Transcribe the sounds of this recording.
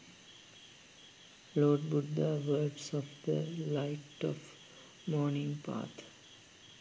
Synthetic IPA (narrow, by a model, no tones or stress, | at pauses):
loːɖ̚buɖːaːʋəːbsɔfd̪əlaɪʈɔf | mɔːnĩŋpa̰ːt̪ʰ